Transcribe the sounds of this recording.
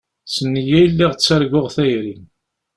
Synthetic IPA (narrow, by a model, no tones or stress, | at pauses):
sənːijæjlːiʁt͡sːəɾɡʊʁθæjɾin